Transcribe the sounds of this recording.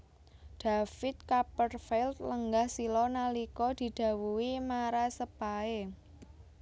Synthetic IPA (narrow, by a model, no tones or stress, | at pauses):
d̪̥a̤fɪt̪̚kapərfɛlt̪̚ləŋɡahsilɔnalikɔd̪̥i̤d̪̥ä̤wuwimaɾasəpae